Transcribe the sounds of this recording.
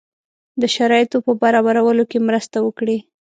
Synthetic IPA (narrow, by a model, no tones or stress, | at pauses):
d̪əʃaɾɑjɪt̪opəbaɾɑβaɾawəlokemɾəst̪awəkɽi